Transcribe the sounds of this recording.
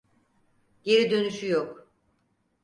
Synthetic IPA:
ɟ̥e̞ɾid̪ø̞nyʃyjok

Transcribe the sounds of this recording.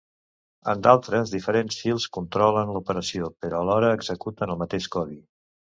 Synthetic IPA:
ə̰nd̪alˠt̪ɾəzðifəɾensfilˠskunt̪ɾɔlənləupəɾəsiopəɾɔəlɔɾəːɡzəkut̪ənəlˠmət̪eʃkɔβi

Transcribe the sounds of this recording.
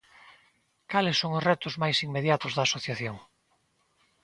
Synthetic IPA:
kalɪsːoŋʊzrɛt̪ʊzmajsiŋmeðjat̪ʊzðaːsoθjaθjoŋ

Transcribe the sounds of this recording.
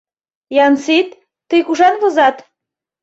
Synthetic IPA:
jɑnsit̪ː | əjkuʒɑnβozɑt̪

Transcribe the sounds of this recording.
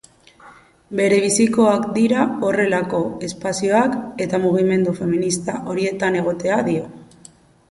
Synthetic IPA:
be̞ɾe̞β̞isiko̞akd̪iɾao̞re̞lako̞e̞spasio̞ake̞t̪amuɣ̞ime̞nd̪ufe̞minist̪aʔo̞ɾie̞t̪ane̞ɣ̞o̞t̪e̞aðio̞

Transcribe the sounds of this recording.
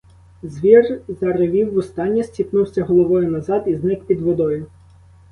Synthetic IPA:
zʲʋʲirzɐɾɪʋʲiwːʊst̪ɑnʲːisʲtʲipnuwsʲɐɦɔlˠɔʋɔjʊnɐzɑd̪iznɪkpʲid̪ʋɔd̪ɔjʊ

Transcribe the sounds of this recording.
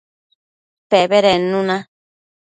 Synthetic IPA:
peβeɾenũnã

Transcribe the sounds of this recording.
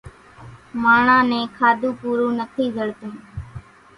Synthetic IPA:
maːɳãːnẽːkʰaːd̪ũːpuːɾũːnət̪ʰiːzəɽt̪ũː

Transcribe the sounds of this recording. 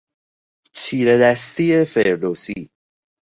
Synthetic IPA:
t͡ʃʰiːɾed̪æst̪iːefeɾd̪osiː

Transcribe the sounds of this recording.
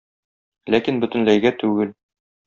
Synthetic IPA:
lækinbɵ̆t̪ɘ̆nlæjɡæt̪ʉɡɘl

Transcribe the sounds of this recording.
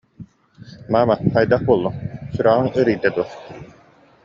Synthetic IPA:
maːmaqajd̪aχbuɔlˠːɔŋsyɾaʁɯŋɯɾɯjd̪ɛd̪uɔχ

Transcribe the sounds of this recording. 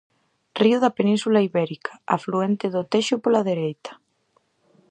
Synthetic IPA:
riʊðɐpenĩnsulaiβɛɾikʰḁa̰fluent̪ɪðʊt̪eʃʊpolaðeɾejt̪ɐ̥

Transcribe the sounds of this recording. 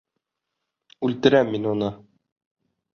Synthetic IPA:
ʉlt̪ɘ̆ɾæmːinunɤ

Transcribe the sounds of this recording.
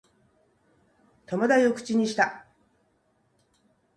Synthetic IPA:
t̪o̞mod̪aiokɯ̟̥t͡ɕiɲ̟iɕi̥t̪a

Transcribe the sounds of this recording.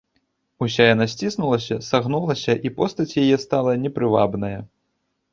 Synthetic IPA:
usʲajanasʲt͡sʲisnulˠɐsʲɐsaɣnulˠɐsʲɐʔipɔst̪ɐt͡sʲjajɛst̪alˠɐnʲɛpɾɨva̰bnɐjɐ

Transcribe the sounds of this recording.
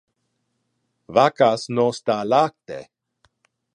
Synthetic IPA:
vakasnost̪alak̚t̪ḛ

